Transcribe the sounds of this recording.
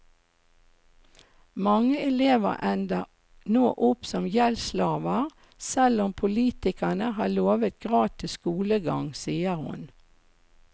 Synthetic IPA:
mɑŋəɛleːʋə̰ʁʔɛnd̪ɑ | noːʔʊpsɔmjɛlslɑːʋəʁ | sɛlɔmpʰʊliːt̪ɪkənəhɑːloːʋət̪̚ɡ̥ʁɑːt̪ʰɪskuːləɡɑ̰ŋsiːəʁhʊ̰n

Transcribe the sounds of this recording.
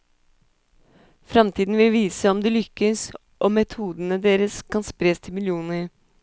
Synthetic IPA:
fɾɑmt̪ʰiːd̪n̩ʋɪlʋiːsəɔmd̪ɛlʏkːəs | ʔoːmɛt̪ʰuːd̪ənəd̪eːɾəskʰɑnspɾeːst̪ʰɪmɪljuːnəɾ

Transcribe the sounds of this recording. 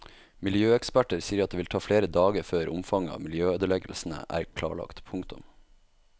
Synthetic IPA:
mɪljøːɛkspæʈəɾsiːəɾɑt̪̚eːʋɪlt̪ʰɑːfleːɾəd̪ɑːɡəɾføːɾʊmfɑŋəɑ̰ːmɪljøːøːd̪əɭɛɡəl̩sn̩ə̰ʔæ̰ːɾkʰlɑ̰ːɭɑ̰kt̪pʰʊŋt̪ʊm

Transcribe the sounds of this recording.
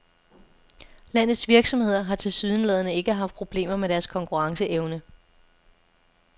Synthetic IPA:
læn̰ð̩ˠsʋiɐɡ̥sɒ̽mhe̝ð̞̰ˠɐɦɑ̈t͡sʰe̝lsyðˠənlɛð̞ˠɐnəe̝ɡ̥əɦɑ̈fd̥̚pʰʁo̝b̥le̝̰ːmɐmeɾ̥æɐskʰɒ̽ŋkʰuʁɑ̈ŋsəʔeʊnə

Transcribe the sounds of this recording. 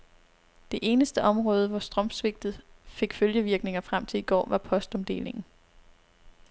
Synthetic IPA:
d̥e̝ʔe̝ːnəsd̥əʔɒ̽mʁɔ̽ːð̞ˠəʋɒsd̥ʁɒ̽msʋe̝ɡ̥̚d̥ð̞̩ˠfe̝ɡ̥føljəʋiɐɡ̥ne̝ŋɐfʁam̰t͡sʰe̝liɡ̥ɒ̰ːʋɑ̈pʰɒ̽sd̥ɒ̽md̥e̝̰ːle̝ŋn̩

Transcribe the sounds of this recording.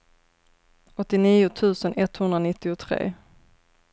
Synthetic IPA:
ɔt̪ːɪniːʊt̪ʰʉ̟ːsənʔɛt̪ːhɵnd̪ɾanɪt̪ːɪʊt̪ʰɾḛː

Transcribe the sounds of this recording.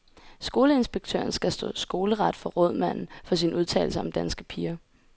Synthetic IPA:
sɡ̥o̝ːləe̝nsb̥eɡ̥̚t͡sʰø̰ːɐnsɡ̥æsd̥ɔ̰̽ːsɡ̥o̝ːləʁɑd̥fɒ̽ʁɔð̞̰ˠmæn̰n̩fɒ̽sinuð̞ˠt͡sʰɛ̰ɪl̩səɒ̽md̥ænsɡ̥əpʰiːɐ

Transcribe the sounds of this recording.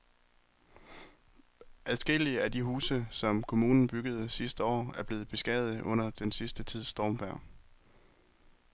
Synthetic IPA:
ʔæðˠsɡ̥e̝l̰iəæd̥iɦuːsəsɒ̽mkʰo̝muːnn̩b̥yɡ̥əð̞̩ˠsisd̥əɒ̰ːæɐb̥le̝ːð̞̩ˠb̥e̝sɡ̥ɛð̩ˠʔɔ̽n̰ɐd̥ensisd̥ət͡sʰið̞̰ˠsd̥ɒːmb̥æɐ̰

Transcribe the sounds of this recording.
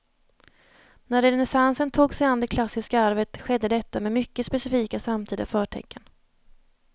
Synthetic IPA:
næɾɛɛnɛsansənt̪ʰuːɡsɛjand̪ɛkʰlasːɪskaaɾvət̪ɧɛd̪ːəd̪ɛt̪ːamɛmʏkːəspɛsɪfiːkasamt̪ʰiːd̪afœːʈʰɛ̰kːən

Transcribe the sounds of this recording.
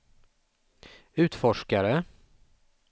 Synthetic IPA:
ʉ̟ːt̪fɔʂkaɾə

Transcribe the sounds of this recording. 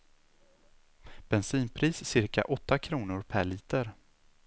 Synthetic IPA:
b̥ɛnsiːnpʰɾiːsːɪɾka̰ʔɔt̪ːakʰɾuːnʊɾpʰæɭiːt̪əɾ

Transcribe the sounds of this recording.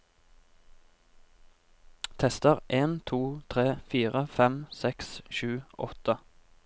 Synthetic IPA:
t̪ʰɛst̪əʁʔeːnt̪ʰuːt̪ʰʁeːfiːʁəfɛmsɛksʃʉːʔɔ̰t̪ə

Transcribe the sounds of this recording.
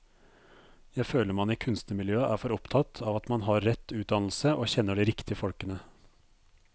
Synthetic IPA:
jæɪføːləɾmɑnɪkʰʉnst̪nəmɪljøːəʔæːɾfɔɾɔpt̪ʰɑt̪ʰɑːʋɑt̪mɑnɦɑɾːɛt̪ʰːʉːt̪̚d̪ɑnl̩səʔoːçɛnːəɖiːɾɪkt̪ɪəfɔlkənə

